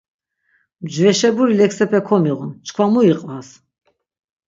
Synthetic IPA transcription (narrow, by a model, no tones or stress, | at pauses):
md͡ʒvɛʃɛbuɾilɛksɛpʰɛkʰɔmiʁunt͡ʃʰkʰwamuiqʼvas